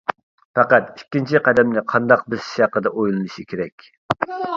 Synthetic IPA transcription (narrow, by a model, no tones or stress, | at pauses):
fɛqæt̪ikʲːint͡ʃʰiqæd̪ɛmnɪqʰɑnd̪ɑq̚bɪz̥ʃjɑqəd̪ɑʔojlˠɨnɨʃikʲʰeɾɛkʲ